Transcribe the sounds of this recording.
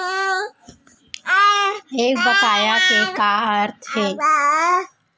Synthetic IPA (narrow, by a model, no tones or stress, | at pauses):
eːk̚bət̪aːjakekaːəɾt̪ʰɦɛː